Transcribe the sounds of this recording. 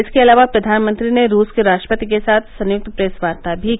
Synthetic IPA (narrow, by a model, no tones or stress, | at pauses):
ɪskeɐlaːʋapɾɐd̪ʱaːnmə̃nt̪ɾineɾuːskeɾaːʃʈɾəpət̪ik̬esaːt̪ʰsɐ̃njʊk̚t̪pɾeːsʋaːɾt̪abʱi